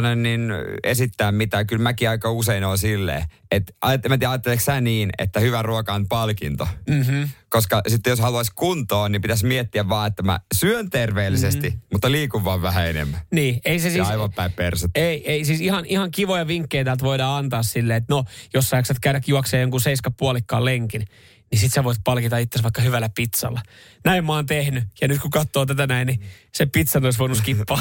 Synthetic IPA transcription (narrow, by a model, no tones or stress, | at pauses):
nenninḛsit̪ːæːmmit̪ækylmækiɑikɑuseinoːnsilːḛː | et̪ʔɑ̰jɑt̪ːemæt̪iæɑjɑt̪ːelːˑeksæniːnḛt̪ːæhyʋæruokɑonpɑlkḭnt̪o̰ | koskɑsit̪ːejoshɑluɑskunt̪oːnnimpit̪æsmiet̪ːiæʋʋɑːet̪ːæmæ̰syønt̪erʋeːlːisestt̪imut̪ːɑliːkuʋʋɑːʋʋæhæenḛmːæniːeisesiːɑiʋɑmpæippḛrset̪ːeieisiːsihɑnʔihɑŋkiʋojɑʋiŋkːeit̪æːlt̪ʋoidɑːɑnt̪ɑːssilːeːet̪nojosːɑjiksɑt̪kæyɾækjuɑkseːjoŋkunseiskɑppuɑlikːɑːleŋkin | nisit̪seʋoit̪̚pɑlkit̪ɑit̪ːesʋɑikːɑhyʋælæpit̪sɑ̰lːɑ | næimmoɑːnt̪ehnyjɑnyt̪kukɑt̪ːoːt̪æt̪ænæinnisepit̪sɑnoisʋoinuskiːɑː